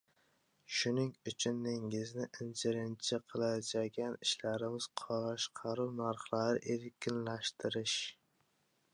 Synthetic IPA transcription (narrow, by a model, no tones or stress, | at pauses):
ʃʊnɪŋʊt͡ʃʰʊnːɪŋɪznɪʔɪnt͡ʃʰɪɾɪnt͡ʃʰɪqʰɨlˠad͡ʒaɡʲanɪʃlaɾɪmɪz̥qʰɒlɑʃqʰɑɾuwnaɾχlˠaɾɪʔeɾkʲʰɪnlaʃt̪ʰɪɾɪʃ